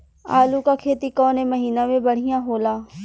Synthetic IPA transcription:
aːlukakʰeːt̪ikɔːneməɦiːnamẽbəɽ̤ijãɦoːlaː

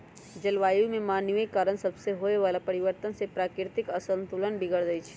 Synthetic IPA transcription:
d͡ʒɐlʋaːjumẽmaːnʋəikːaːɾənsɐbseɦoːeʋaːlapɐɾɪʋəɾt̪ənsepɾaːkɪɾt̪ɪkɐsə̃nt̪ulənbʱɪɡəɽd̪əit͡ʃʰɛ̥

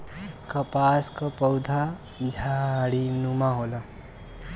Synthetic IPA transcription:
kəpaskəpəwd̪ʱa | d͡ʒʱaɽinumaɦola

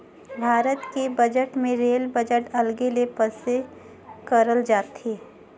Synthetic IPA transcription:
bʱaːɾət̪kebəd͡ʒəʈmẽɾeːlbəd͡ʒəʈɐlɡelepəse | kəɾəld͡ʒaːt̪eː

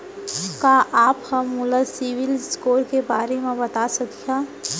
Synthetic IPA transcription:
kaʔaːphɐmːʊləsiʋɪlskoːɾkebaːɾemẽbɐt̪asɐkijaː

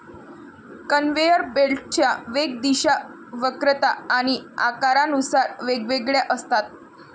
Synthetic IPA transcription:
kənʋejəɾbelʈt͡ɕjaʋeɡ̚d̪iɕa | ʋəkɾət̪aːɽ̃iakaɾanusaɾʋeɡʋeɡɭjaʔəst̪at̪̚

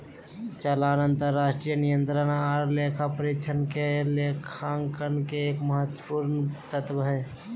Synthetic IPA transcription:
t͡ʃəlaːnənt̪əɾːaːsʈɾijənijənt̪ɾənaɔɾleːkʰapəɾikt͡ʃʰənkelekʰaŋkənkeeːkməɦət̪wəpuɾnt̪ət̪ʋɦɛ

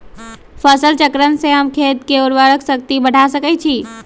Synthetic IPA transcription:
pʰəsəlt͡ʃəkɾənseɦəmkʰet̪̚keoɾʋəɾəksək̚t̪ibəɽ̤ʱasəkɛt͡ʃʰi

